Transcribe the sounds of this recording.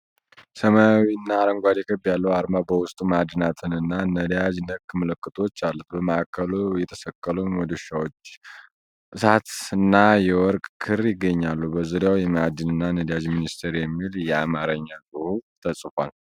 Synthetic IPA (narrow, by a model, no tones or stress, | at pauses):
səmawiɨnːaːɾəŋɡʷad̪ɛkʰəbjalːəaɾmabəwʊst̪ʼumad̪nat̪ʰɨnɨnːanəd̪jad͡ʒnəkːɨmɨləkʼːɨt̪ʰo̞t͡ʃːalːut̪bəməakʰːəlujɛt̪ʰə̥səkʼːəluɲwɔd̪oʃawot͡ʃː | ʔɨsat̪ɨnːajɛwɔɾkʼkʰɨɾjɪɡːəɲːalːubəzuɾjawjɛmad̪ɨnɨnːanəd̪jad͡ʒminist̪ʰeɾjɛmːiljɛamaɾəɲːasʼɨhut̪ʰəsʼfʷa̰l